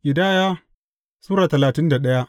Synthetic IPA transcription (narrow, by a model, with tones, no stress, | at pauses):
ʔɪ˨daː˦˨jaː˦ | suː˦ɾaː˨tɐ˨laː˨tɪ˦nda˨ɗɐ˦ja˦ʔ